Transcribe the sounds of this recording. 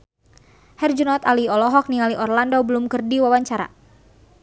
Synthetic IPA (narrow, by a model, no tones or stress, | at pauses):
hɛrd͡ʒunɔt̪aliɔlɔɦɔk̚nialiʔɔrlandɔbəlumkərdiwawaɲt͡ʃaɾa̰